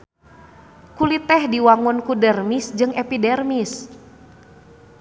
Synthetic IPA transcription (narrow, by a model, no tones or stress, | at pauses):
kulit̪ɛhdiwaŋʊnkudɛrmisd͡ʒɨŋɛpidɛrmis